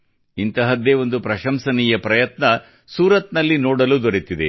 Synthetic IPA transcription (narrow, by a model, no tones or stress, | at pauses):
int̪ɐɦɐd̪eːo̞nd̪upɾɐʃɐmsɐnijɐpɾɐjɐt̪nɐ | suːɾɐt̪nɐlːinoːɽɐluːd̪oɾit̪id̪ḛ